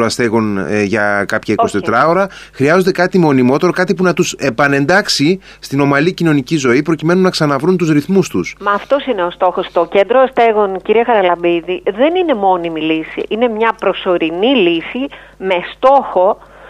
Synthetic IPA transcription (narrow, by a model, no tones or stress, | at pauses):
oɐst̪e̞ɣo̞nʝɐkɐpçɐikosit̪e̞t̪ɾɐo̞ɾɐ | xɾiɐzond̪e̞kɐt̪imo̞nimo̞t̪e̞ɾo̞kɐt̪ipunɐt̪use̞pɐne̞nd̪ɐksi | st̪ino̞mɐlicino̞nicizo̞ipɾo̞cime̞nunɐksɐnɐvɾunt̪uzɾiθmust̪usmɐːft̪o̞sine̞ost̪o̞xost̪o̞ce̞nd̪ɾoɐst̪e̞ɣo̞nciɾiɐɣɐɾɐlɐbiðiðe̞nine̞mo̞nimilisḭʔine̞mɲɐpɾo̞so̞ɾinilisi | me̞st̪o̞xo̞